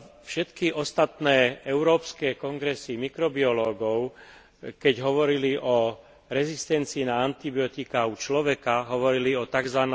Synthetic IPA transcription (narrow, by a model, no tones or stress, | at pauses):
fʃɛt̪kiʔɔst̪at̪nɛːɛʊɾɔːpskɛːkɔŋɡɾɛsimikɾɔbiɔlɔːɡɔʊ | kɛɟɦɔʋɔɾiliʔɔ | ɾɛzist̪ɛnt͡siːnaant̪ibiɔt̪ikaut͡ʃlɔʋɛkaɦɔʋɔɾiliɔt̪aɡzʋan